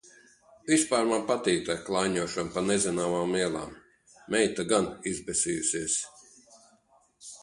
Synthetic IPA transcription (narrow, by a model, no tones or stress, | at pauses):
vispaːɾmanpat̪iːt̪ɛklˠajɲuɔʃɔnpanɛzinaːmaːmiɛlˠa̰ːmː | ɛjt̪aɡanizbɛsʲijusiɛs